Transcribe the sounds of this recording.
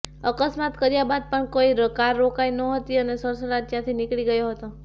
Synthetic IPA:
əkəsmat̪kəɾjabad̪̚pəɳkoiɾəkaɾːokainəɦət̪iənesəɾsəɽad͡ʒd͡ʒjãt̪ʰinɪkɭiɡəjoɦət̪o

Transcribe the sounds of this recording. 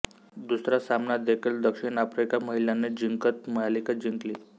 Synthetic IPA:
d̪usɾasamnad̪ekʰild̪əkʂiɳafɾikaməɦiljanːed͡ʑiŋkət̪məjalikad͡ʑiŋkliː

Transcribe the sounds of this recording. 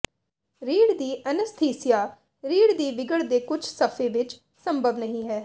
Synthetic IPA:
ɾiːɽd̪iːʔənəst̪ʰeːsɪjaː | ɾiːɽd̪iːʋɪɡəɽd̪eːkʊt͡ʃʰsəpʰẽːʋɪt͡ʃ | səmbʱəbnəɦĩːɦɛː

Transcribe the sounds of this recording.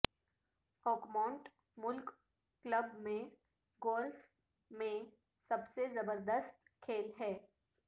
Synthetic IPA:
hɔːkmãːɳʈ | mʊlkː | ləbmẽ | ɡoːlf | mẽ | sɐbsezɐbəɾd̪əst̪kʰeːlɦɛː

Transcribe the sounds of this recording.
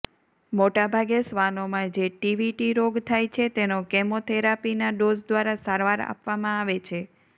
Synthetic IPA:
moʈabʱaɡesʋanomãd͡ʒeʈiʋiʈiɾoɡt̪ʰajt͡ʃʰet̪enokɛmot̪ʰeɾapinaɖozd̪ʋaɾasaɾʋaɾa̰pʋamãaʋet͡ʃʰe

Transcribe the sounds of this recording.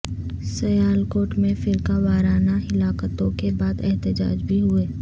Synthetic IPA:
sɐjaːlkoːʈmẽfɪɾkaʋaːɾaːnaɦɪlaːkət̪õkebaːd̪ɛɦt̪ɪd͡ʒa̰ːd͡ʒbʱiɦʊeː

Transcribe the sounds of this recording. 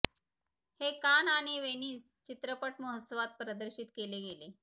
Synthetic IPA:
hekanaɽ̃iʋeniːst͡ɕit̪ɾəpəʈməɦəsəʋat̪̚pɾəd̪əɾɕit̪keleɡele

